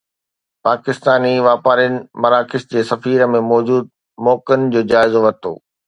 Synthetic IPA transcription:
paːkɪst̪aːniʋaːpaːɾiənɪ̆mɐɾaːkɪsd͡ʑeːsɐfiːɾmẽmɔːd͡ʑuːd̪̚ | mɔːkənɪ̆d͡ʑoːd͡ʑaːɪzoʋɐt̪o̰ː

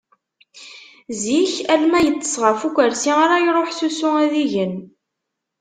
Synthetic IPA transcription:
ziçælmæjət͡sːə̥sˤʁəfukʷəɾsiaɾajɾˤoħsusʊæðiʝən

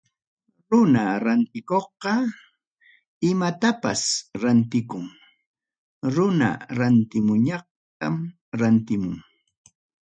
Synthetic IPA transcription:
ɾʊnaɾant̪ɪkoχqɑ | ɪmat̪apa̰sɾant̪ɪkʊŋ | ɾʊna̰ɾant̪ɪmʊɲɑχ̚ | t̪am | ɾant̪ɪmʊŋ

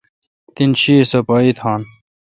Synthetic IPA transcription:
t̪inɕiːsɐpaːit̪ʰaːn

